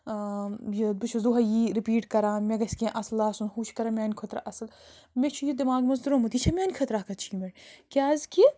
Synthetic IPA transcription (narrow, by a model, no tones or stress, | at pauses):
jibut͡ʃʰuzuɦɐjiːɾipiːʈkɐɾãːmʲeɡɐsʲkʲẽʔɐslaːsunɦuːt͡ʃʰi̥kɐɾɐmʲaːnʲkʰot̪ɾa̰ʔɐsɐl | met͡ʃʰujid̪imaːɡmɐzd̪uɾomɐt̪it͡ʃʰɐmʲaːnʲkʰɐt̪ɾakʰɐt̪t͡ʃʰiːmeɽʲkʲaːzki